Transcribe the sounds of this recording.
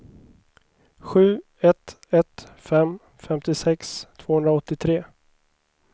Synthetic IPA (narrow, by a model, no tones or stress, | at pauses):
ɧʉ̟ː | ɛt̪ | ɛt̪fɛm | fɛmt̪ɪsɛkst̪ʰv̥oːhɵnd̪ɾaɔt̪ːɪt̪ʰɾeː